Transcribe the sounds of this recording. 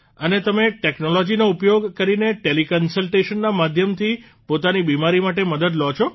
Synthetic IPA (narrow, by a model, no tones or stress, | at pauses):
ənet̪əmeʈeknolɔd͡ʒinoupjoɡkəɾineʈelikənsəlʈeʃənːamad̪ʱjəmt̪ʰi | pot̪anibimaɾimaʈ̬eməd̪əd̪lɔt͡ʃʰo